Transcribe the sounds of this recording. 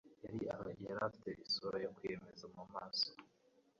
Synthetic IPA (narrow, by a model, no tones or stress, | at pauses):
jaɾiahojaɾafi̥te̞ʔisoɾojokwjeme̞zamumaːso̥